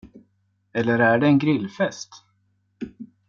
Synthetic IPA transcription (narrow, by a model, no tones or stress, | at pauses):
ɛlːəɾæɖɛːnɡɾɪlːfɛst̪